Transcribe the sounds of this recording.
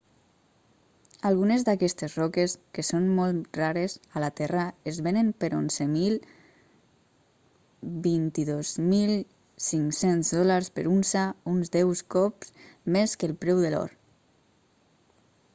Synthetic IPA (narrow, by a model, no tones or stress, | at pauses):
alˠɣunezd̪akɛst̪ezrɔkeskesonmɔlt̪raɾezalat̪ɛraezβenəmpeɾo̰nzəmilˠ | bint̪iðozmilˠ | siŋksenzðɔlaɾspəɾunsaunzd̪ɛwskɔpsmeskelˠpɾɛwðelɔ̰ɾ